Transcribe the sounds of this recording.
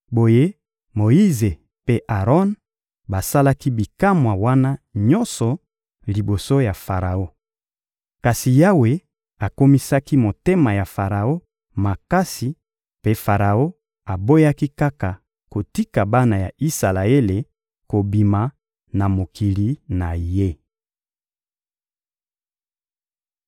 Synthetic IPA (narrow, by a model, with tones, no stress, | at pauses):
bo˨je˦ | mo˨i˦ze˨ | pe˦ʔa˨ʁɔ˦n | ba˨sa˦la˦ki˦bi˨ka˦mwa˨wa˦na˦ɲɔ̃˦nsɔ˨ | li˨bo˨so˦ja˨fa˨ʁa˨o˦ | ka˨si˨ja˦we˦ | a˨ko˦mi˦sa˦ki˦mo˨te˦ma˨ja˨fa˨ʁa˨o˦ | ma˨ka˦si˨ | pe˦fa˨ʁa˨o˦ | a˨bo˦ja˦ki˦ka˦ka˨ | ko˨ti˦ka˨ba˦na˨ja˨i˦sa˨la˨e˦le˨ | ko˨bi˨ma˨ | na˨mo˨kʰi˨li˨na˨je˦